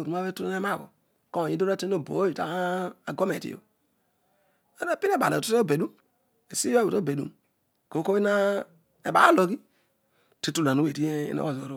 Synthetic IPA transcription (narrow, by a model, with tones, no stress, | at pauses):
ɾu˨˦a˦be˦tu˦e˦e˦ma˦˨ɡo̰˨ | ko˦˨ɲi˦do˦ɾa˦te˦o˦˨bo̰˨˦ji˨ta̰˦a˨ɡo˦me˨tḭ˦jo̰˨ | o˦ɾa˦pi˦ne˦˨ba̰˨ne˨o˦o˦˨be˨du˦m | e˨si˦a˦˨o˨to˦˨be˨dṵ˦m˨ | ko˨˦ko˦i˦na˦ | e˨ba̰˦lo˨ɡi˦ | ti˦tu˦la˨nu˦we˨ti˦ḭ˦no̰˦o˨zo˨ɾo˦